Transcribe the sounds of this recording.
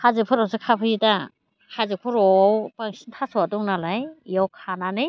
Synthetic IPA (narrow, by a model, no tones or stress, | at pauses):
hazɯpʰuɾɔsekʰapʰɯjida | hazɯk̚pʰɯɾɔwpaŋsintʰasuwadɔŋnalajjawkʰananɯ